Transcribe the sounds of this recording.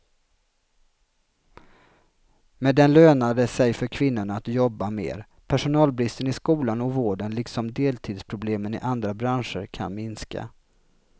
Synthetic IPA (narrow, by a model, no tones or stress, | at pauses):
mɛd̪ɛnløːnad̪əsɛjfœɾkʰvɪnːʊɳaːt̪jɔbːamḛːɾ | pʰæʂʊnɑːlbɾɪst̪ənɪskuːlanɔvoːɖənlɪksɔmd̪eːlt̪ʰiːd̪spʰɾʊbleːmənɪ̰ʔand̪ɾabɾanʂəɾkʰa̰nmɪnska̰